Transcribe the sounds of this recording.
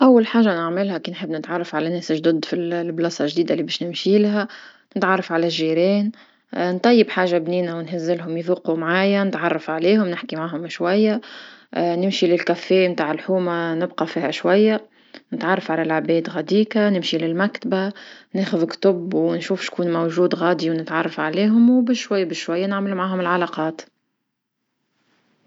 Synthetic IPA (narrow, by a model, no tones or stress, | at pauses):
ʔawːalħaːʒanɪʕmɪlhækiːnħɪbːnɪt̪ʕɑrˤːɑfʕalænɛːsʒd̪ʊd̪filblɑːsˤɑʒd̪iːd̪alːibɛːʃnɪmʃilɦæ | nɪt̪ʕɑrˤːɑfʕalæʒːiːɾɛːn | nt̪ˤɑjːɪbħaːʒabniːnawnhɪzːɪlɦʊmjðuːqumʕaːjanɪt̪ʕɑrˤːɑfʕaliːhʊmnɪħkimaʕaːɦʊmʃwæjːa | nɪmʃilɪlkæfːeːmt̪aːʕɪlħuːmanɪbqɑfiːhæʃwæjːa | nɪt̪ʕɑrˤːɑfʕalælʕabɛːd̪ɣæd̪iːkanɪmʃilɪlmækt̪baneːxʊðkt̪ʊbwnʃuːfʃkuːnmowʒuːd̪ɣɑːd̪iwnɪt̪ʕɑrˤːɑfʕaliːɦʊmwbɪʃʃwajːabɪʃʃwajːanɪʕmɪlumʕaːɦʊmɪlʕalɑqɑːt̪